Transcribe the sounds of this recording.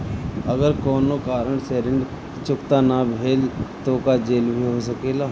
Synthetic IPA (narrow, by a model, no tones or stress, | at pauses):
əɡəɾkoːnoːkaːɾəɳseːɾɪ̃ɳɖ | t͡ʃʊkt̪aːnabʱeːlt̪oːkad͡ʒeːlbʱiɦoːsəkeːlaː